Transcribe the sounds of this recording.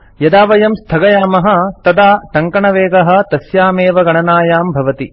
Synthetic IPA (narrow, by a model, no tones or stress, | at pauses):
jɐd̪aːʋɐjɐmst̪ʰɐɡɐjaːmɐɦɐ̆t̪ɐd̪aːʈɐŋkɐɳɐʋeːɡɐɦɐ̆t̪ɐsjaːmeːʋɐɡɐɳɐnaːjaːmbʱɐʋɐt̪i